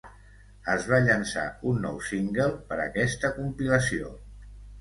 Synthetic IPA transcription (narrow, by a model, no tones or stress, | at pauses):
əzβaʎənsa̰unːɔ̰wsiŋɡəlˠpəɾə̰kɛst̪əkumpiləsio̰